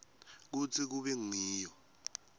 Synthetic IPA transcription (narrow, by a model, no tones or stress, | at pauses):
k̬ut͡sʰik̬uɓɛŋ͡ǀʱiːjɔ